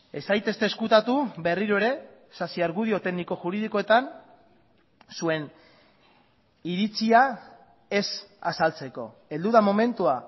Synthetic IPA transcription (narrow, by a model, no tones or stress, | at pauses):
e̞sajt̪e̞st̪eːskut̪at̪ube̞riɾoe̞ɾe̞ | sasiaɾɣuð̞io̞t̪e̞ɣniko̞ʝuɾiðiko̞e̞t̪an | sue̞n | iɾit͡sia | e̞sasalt͡se̞ko̞̰e̞ld̪uðamo̞me̞nt̪ua